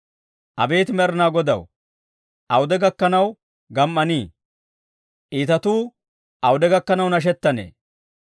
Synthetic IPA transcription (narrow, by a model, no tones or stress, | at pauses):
ʔɐbe̞ːt̪ɪmɛɾnaːɡɔd̪ɐ̰w | ʔɐwʊd̪ɛɡɐkːɐnɐw | ɡɐmːɐniː | ʔiːt̪ɐt̪uː | ʔɐwʊd̪ɛɡɐkːɐnɐwnɐʃ̬ɛt̪ːɐnḛː